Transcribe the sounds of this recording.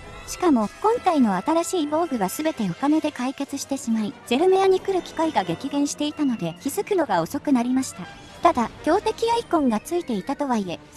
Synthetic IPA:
ɕi̥kamo̞kõ̞ŋt̪aino̞at̪aɾaɕiːbo̞ːɡɯ̟βasɨbe̞t̪e̞o̞kane̞d̪e̞kaike̞t͡sɨɕi̥t̪e̞ɕimaiz̥e̞ɾɯ̟me̞aɲ̟ikɯ̟ɾɯ̟kʲi̥kaiɡaɡe̞kʲiɡẽ̞ɰ̃ɕi̥t̪e̞it̪ano̞d̪e̞kʲizɨkɯ̟no̞ɡao̞so̞kɯ̟naɾʲimaɕi̥t̪a | t̪ad̪akʲo̞ːt̪e̞kʲijaikõ̞ŋɡat͡sɨit̪e̞it̪at̪o̞βaie̞

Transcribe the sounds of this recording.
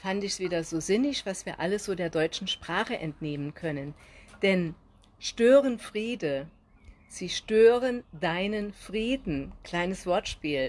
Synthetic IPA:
fantɪçsv̥iːdɐzoːzɪnɪçv̥asv̥iːɐʔaləsz̥oːdeːɐdɔʏt͡ʃn̩ʃpʁ̥aːχəʔɛntneːmənkʰœnənd̥ɛn | ʃtøːʁənfʁ̥iːdə | z̥iːʃtøːʁəndaɪnənfʁ̥iːdn̩kl̥aɪnəsv̥ɔɐtʃpiːl

